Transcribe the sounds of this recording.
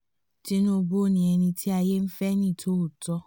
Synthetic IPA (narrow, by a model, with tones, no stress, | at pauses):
tɪ˦n˦o˦bo˦ni˨e˨ni˦tʰi˦a˨je˦m̩˦fɛ˦ni˦˨tʰo˦u˨tɔ˦